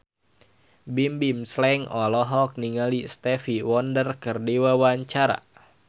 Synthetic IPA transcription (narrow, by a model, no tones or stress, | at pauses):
bimbimslɛŋɔlɔɦɔk̚niŋalist̪ɛfiwɔndərkɨrdiwawaɲt͡ʃaɾa̰